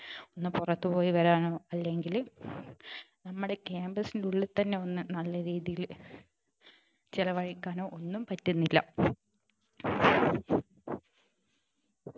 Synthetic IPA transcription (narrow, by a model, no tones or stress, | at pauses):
o̞nːɨpurɐt̪ːupo̞ːjiʋɐɾaːno̞ːɐlːe̞ŋɡil | nɐmːuɽe̞keːmbɐsinduɭːɐt̪ɐnːe̞o̞nːɨnɐlːɐɾiːðijil | t͡ɕilɐʋɐɻikʲːaːno̞ːʔonːumpɐtːunːilːɐ̰